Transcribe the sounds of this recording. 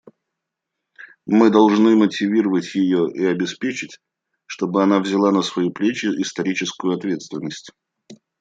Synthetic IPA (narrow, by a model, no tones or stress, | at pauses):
mɨd̪ɐlˠʐnɨmətʲɪvʲiɾəvətʲjɪjoʔiɐbʲɪspʲet͡ɕɪtʲ | ʂt̪o̞bɨɐnavzʲɪlˠanəsvɐjuplʲet͡ɕɪʔɪst̪ɐɾʲit͡ɕɪskʊjʊɐt̪vʲe̞t̪st̪vʲɪnːəsʲtʲ